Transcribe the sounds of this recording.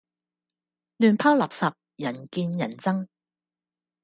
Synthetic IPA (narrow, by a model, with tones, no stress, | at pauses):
lyː˨npʰaː˥lɐ˨p̚sɐ˨p̚jɐ˨˩nkiː˧njɐ̰˨˩nt͡sɐ˥ŋ